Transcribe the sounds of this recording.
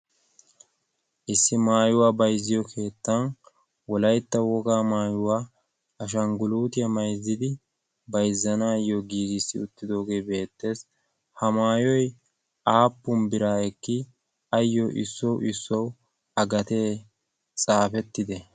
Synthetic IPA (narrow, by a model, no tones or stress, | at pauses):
ʔɪsːɪmaːjʊwaːbɐjzːɪjɔkʰe̞ːt̪ːɐn | wɔlɐjt̪ːɐwɔɡaːmaːjʊwaː | ɐʃ̬ɐŋɡʊluːt̪ɪjɐmɐjzːɪd̪ɪ | bɐjzːɐnaːjɔɡiːɡɪsːɪʊt̪ːɪd̪o̞ːɡe̞ːbe̞ːt̪ːe̞ːs | hɐmaːjɔj | aːpːʊmbɪɾaːɛkːɪ | ɐjːɔʔɪ̰sːɔwʔɪsːɔw | ɐɡɐt̪e̞ː | t͡sʼaːfɛt̪ːɪd̪ɛ